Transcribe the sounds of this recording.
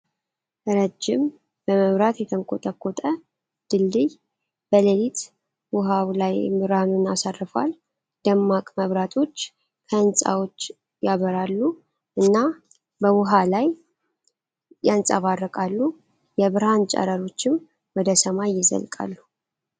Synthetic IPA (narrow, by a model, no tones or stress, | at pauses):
ɾəd͡ʒːɪm | b̥əməβɾat̪jɛt̪ʰəŋkʰʼot̪ʼəkʰːot̪ʼə | d̪̥ɨlːɨj | b̥ələlit̪ʰ | wʊɦawlajmɨɾanunasarːɨfa̰l | d̪̥əmːakʼməβɾat̪ʰo̞t͡ʃː | kʰəɨnsʼa̰wo̞t͡ʃː | jaβəɾalːu | ʔɨnːa | bəwʊɦalaj | jansʼaβarːəkʼalːu | jɛβɨɾhant͡ʃʼa̰ɾəɾo̞t͡ʃːɪm | wɔd̪əsəmajːɪzə̰lkʼa̰lːu